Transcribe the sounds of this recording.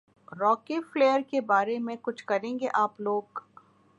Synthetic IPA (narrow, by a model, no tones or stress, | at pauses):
ɾɔːkefleːjəɾkebaːɾemẽkʊt͡ʃʰkɐɾẽːŋɡeʔaːploːɡ